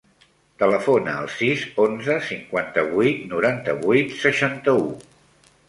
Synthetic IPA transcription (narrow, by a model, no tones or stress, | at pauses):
t̪ələfonəːlˠsizonzəsiŋkwant̪əβujt̪nuɾant̪əβujt̪səʃant̪əu